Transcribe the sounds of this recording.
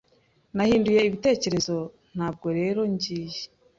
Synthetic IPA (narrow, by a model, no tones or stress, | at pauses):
nahiːnduje̞iβite̞ːce̞ɾe̞zo̞ | n̥aːb̚ɡo̞ɾe̞ːɾo̞ɲɟiːje